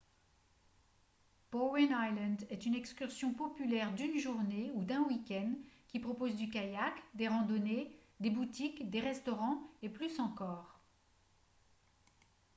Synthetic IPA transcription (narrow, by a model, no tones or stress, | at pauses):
pɔwɛnajlɑ̃nd̪ɛt̪ynɛkskʲyʁsjɔ̃pɔpylɛʁd̪ynʒuʁneud̪ɛ̃wikʲɛnd̪kʲipχɔpozd̪ykajakd̪eʁɑ̃d̪ɔne | d̪ebut̪ikd̪eʁɛst̪ɔʁɑ̃eplysɑ̃kɔːʁ